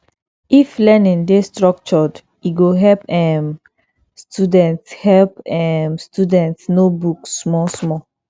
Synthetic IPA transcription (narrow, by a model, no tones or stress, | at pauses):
iflɛnĩndestɹɔk̚t͡ʃɔd | iɡoɦɛlpɛm | studɛ̃ntshɛlpɛmstudɛ̃ntsnobukssmɔsmɔ